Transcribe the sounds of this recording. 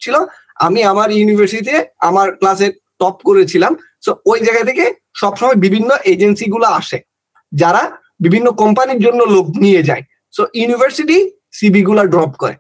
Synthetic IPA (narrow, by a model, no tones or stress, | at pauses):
t͡ɕʰilo | a̰miamaɾjunibʱaɾs̬iʈiea̰maɾklas̬eɾ | ʈɔpkoɾet͡ɕʰilam | soojd͡ʑaɡat̪ʰeke | ʃɔbʃɔmɔebibʱinːoʔed͡ʑensiɡulaaʃe | d͡ʑaɾa | bibʱinːokɔmpaniɾd͡ʑonːolok̚nijed͡ʑae | sojunibʱaɾsiʈi | sibʱiɡulaɖɾɔpkoɾḛ